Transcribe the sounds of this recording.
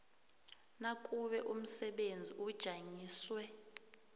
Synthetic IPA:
nakʼuɓɛʔum̩sɛɓend͡zʱiʔud̥ʒ̥ʱaŋiːswɛ

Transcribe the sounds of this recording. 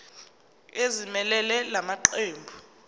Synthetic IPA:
ezimɛlɛlɛlamaǃeːmbʱu

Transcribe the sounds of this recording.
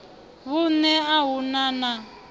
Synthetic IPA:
βunɛaɦunana

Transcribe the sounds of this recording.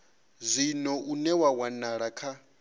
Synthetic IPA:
zʷinɔʔunɛwawanaɺakʰa

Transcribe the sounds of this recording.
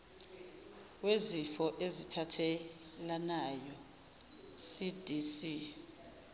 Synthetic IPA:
wezifɔʔezitʰatʰɛ | lanajɔ | sid̥ʱisi

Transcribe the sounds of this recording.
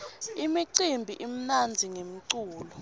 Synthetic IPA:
imiǀimbʱiʔim̩nand͡zʱiŋem̩ǀuːlɔ

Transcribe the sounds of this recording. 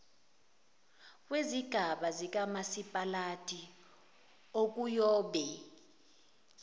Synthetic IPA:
k̬ʼweziɡ̥ʱaɓazik̬ʼamasipʼalatʼi | ok̬ʼujɔːɓɛ

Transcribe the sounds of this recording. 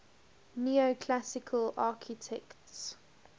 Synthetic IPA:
niːokʰlasɪkʰəlʔaːˑkʰɪtʰɛkts

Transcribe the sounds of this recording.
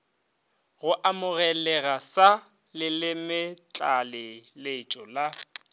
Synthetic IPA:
ɣʊʔamʊɣɛlɛɣasa | lɪlɪmɪt͡ɬʼalɪlet͡ʃʼɔla

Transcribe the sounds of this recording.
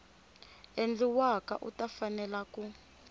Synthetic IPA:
end͡ɮiwaka̰ʔutʼafanɛlaku

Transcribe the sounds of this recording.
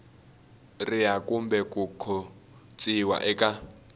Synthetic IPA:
rɪjakumbɛkʼukʰɔ | t͡sʼiwa̰ʔɛkʼa

